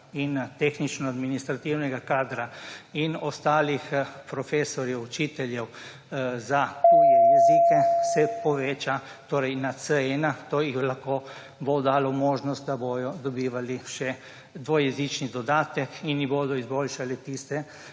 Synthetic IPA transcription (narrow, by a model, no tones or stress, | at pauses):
int̪eːxnit͡ʃnɔad̪minist̪ɾat̪iwnɛɡakaːd̪ɾainɔst̪aːlixpɾɔfeːsɔɾjɛwut͡ʃiːt̪ɛljɛw | zak̪ujɛjɛzikɛsɛpɔʋeːt͡ʃa | t̪oːɾɛjnasəɛnat̪oːjixlaxkoː | bod̪aːlɔmoːʒnɔst̪̚d̪aboːj̪ɔd̪ɔbiːʋaliʃɛ | d̪ʋoːjɛzit͡ʃnid̪ɔd̪aːt̪ɛkinjiboːd̪ɔizboːlʃalɛt̪ist̪ɛ